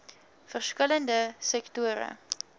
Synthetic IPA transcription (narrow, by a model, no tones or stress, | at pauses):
fərskələndəsɛktuəɾə̰